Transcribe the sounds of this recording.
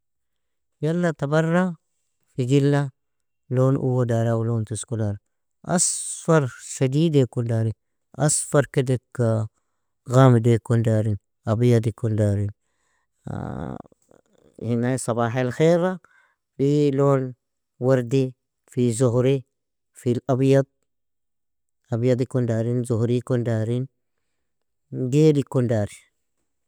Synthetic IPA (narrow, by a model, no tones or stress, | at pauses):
jalːat̪abarːa | fid͡ʒilːa | loːnʔṵwodaɾawlontuskulaɾ | ʔa̰sfaɾʃadiːdekundaɾin | asfaɾkedekːa | ɣamdekundaɾin | abijadikːundaɾin̰ | hinasɑbaːħalxeɾa | filon | waɾdi | fizuhɾi | filʔabjad̪̚ | abjad̪ikondaːɾinzuhɾikondaːɾin | ɡeːlikondaːɾi